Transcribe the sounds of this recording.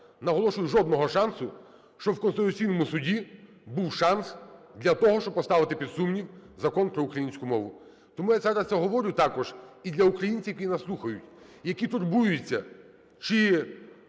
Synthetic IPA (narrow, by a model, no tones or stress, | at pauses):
nɐɦɔlˠɔʃʊjʊʒɔd̪nɔɦɔʃɑnsʊ | ʃt͡ʃɔwkɔnst̪ɪt̪ʊt͡sʲijnɔmʊsʊdʲi | buwʃɑnsd̪lʲɐt̪ɔɦɔʃt͡ʃɔb̚pɔst̪ɑʋɪt̪ɪpʲid̪sumnʲiwzɐkɔnpɾɔʊkɾɐjinʲsʲkʊmɔʋʊ | t̪ɔmujat̪sɛɾɑsʲɛɦɔʋɔɾʲʊt̪ɑkɔʒid̪lʲɐukɾɐjinʲt͡sʲijkʲinɐslˠuxɐjʊtʲjɐkʲit̪ʊrbujʊt͡sʲːɐ | t͡ʃɪ